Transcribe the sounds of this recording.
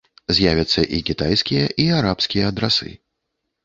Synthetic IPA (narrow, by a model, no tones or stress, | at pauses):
zʲjavʲɐt̪sːɐʔikʲit̪ajsʲkʲijɐʔiaɾapskʲijɐːd̪ɾasɨ̰